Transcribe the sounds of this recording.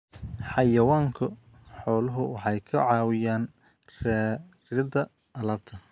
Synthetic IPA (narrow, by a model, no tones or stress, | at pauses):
ħɑjɐwaːŋkʰʊ | ħɔːlɐɦʊwɑħɑjkʰɐʕɑːwɪjaːn | rɛ | rɪd̪ɐ | ɐlɐːb̚t̪ʰɐ